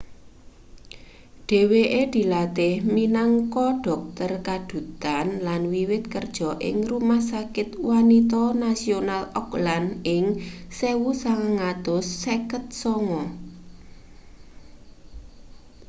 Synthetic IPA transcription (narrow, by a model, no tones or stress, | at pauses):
ɖ̥e̤weʔed̪̥i̤lat̪ɪhminaŋkɔɖ̥ɔ̤k̚t̪ərkad̪̥ṳt̪anlanwiwɪt̪kərd̥ʒ̥ɔ̤ʔɪ̰ŋrumahsakɪt̪wanit̪ɔnasionalɔklanɪŋsewusaŋaŋad̪̥ʊsːekət̪̚sɔŋɔ